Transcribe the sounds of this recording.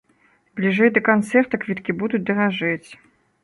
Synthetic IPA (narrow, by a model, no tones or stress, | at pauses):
blʲiʐɛjd̪ɐkant̪sɛrt̪ɐkvʲit̪kʲibud̪ut͡sʲd̪ɐɣaʐɛt͡sʲ